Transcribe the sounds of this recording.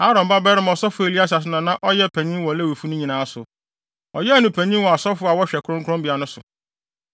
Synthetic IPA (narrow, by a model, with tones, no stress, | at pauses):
haː˦ɾɔ̃˨m˨ba˦bɛ˦ɾɪ˦m˨ɔ˨sɔ˦fʊ˨˦e˨li˦a˦s̬a˨s̬ɪ˨˦nã˨˦nã˦ʔɔ˦jɛ˦pʰɛ̃˨ɲĩ˦wɔ˨le˦wi˨fu˦nʊ̃˦ɲĩ˨nãː˨˦sʊ˨ | ɔ̰˨jɛ˦nʊ̃˨pʰæ̃˨ɲĩ˦wɔ˨a˨sɔ˦fʊ˦a˨wɔ˦ɕᶣɛ˨kʰɾʊ̃˦ŋkʰʊ˦ɔ̃˦mbi˨a˨nʊ̃˦sʊ˨